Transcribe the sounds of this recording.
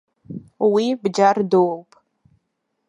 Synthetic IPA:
wibd͡ʒardowwpʼ

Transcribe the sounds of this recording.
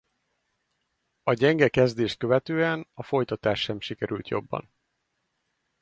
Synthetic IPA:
ɒɟɛŋɡɛkɛzd̪eːʃt̪̚køvɛt̪øːɛnɒfo̞jt̪ɒt̪aːʃːɛmʃikɛɾylt̪jo̞̰bːɒ̰n

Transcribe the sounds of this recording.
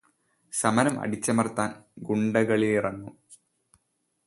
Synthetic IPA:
sɐmɐɾɐmɐ̰ɽit͡ɕːɐmɐrt̪ːaːnɡuɳɖɐɣɐɭilirɐŋːu

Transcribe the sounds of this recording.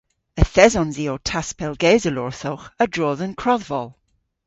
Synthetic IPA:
əθɛzɔnziːotʰaspʰɛlˠɡeːzəlɔɹθɔwχədɹoːðənkʰɹɔðvɔlˠ

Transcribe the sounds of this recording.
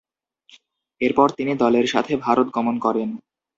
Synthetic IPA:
eɾpɔɾt̪inid̪ɔleɾʃa̰t̪ʰebʱaɾot̪̚ɡɔmonkɔɾen

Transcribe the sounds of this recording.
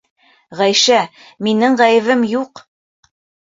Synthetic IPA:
ʁæjʃæ | minɘɴʁæjɘ̆βɘmjuq

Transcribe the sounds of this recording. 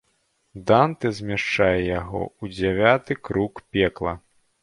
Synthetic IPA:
d̪ant̪ɨzʲmʲaʂt͡ʂajɛjaɣɔ̰ud͡zʲavʲat̪ɨkɾukpʲɛklˠɐ̰

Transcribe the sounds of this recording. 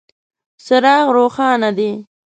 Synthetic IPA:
sʊɾɑːɣɾoːxɑːnad̪i

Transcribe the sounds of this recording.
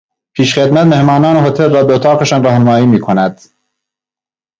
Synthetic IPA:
pʰiːʃχed̪mæt̪mehmɒːnɒːneɦot̪ʰelrɒːbeot̪ʰɑːqeʃɒːnrɒːhnemɒːiːmiːkʰonæd̪̥

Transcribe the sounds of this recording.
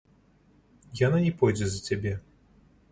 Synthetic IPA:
jananʲɛpɔjd͡zʲɛzɐt͡sʲabʲɛ

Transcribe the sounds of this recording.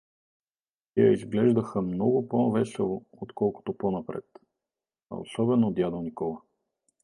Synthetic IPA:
t̪ɛjə̰izɡlɛʒd̪əxəmnɔɡʊpovɛsɛlˠʊ | ot̪kɔlˠkʊ̥t̪oponɐpɾɛ̰t̪ | ɐ̰o̰sɔbɛnod̪ʲjad̪olˠnikɔlˠə

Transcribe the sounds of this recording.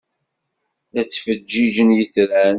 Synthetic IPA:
æt͡sːfəd͡ʒːid͡ʒənjəθɾæn

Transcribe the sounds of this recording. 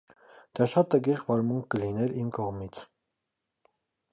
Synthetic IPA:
d̪̥ɑʃɑt̪əɡiʁvɑɾmuŋk̚ʰːəlinɛɾimkɔʁmit͡sʰ

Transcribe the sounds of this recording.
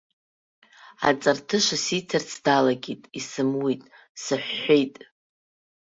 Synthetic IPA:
a̰t͡sʼartʰɨʂʷasitʰart͡sʰdalaɡʲitʼisɨmwitʼ | sɨħʷːejtʼ

